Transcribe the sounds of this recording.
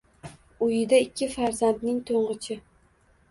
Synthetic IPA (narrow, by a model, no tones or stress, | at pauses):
ʊjɪd̪aɪkʲʰːɪfaɾzand̪nɪŋt̪ʰoɴʁɨt͡ʃʰɪ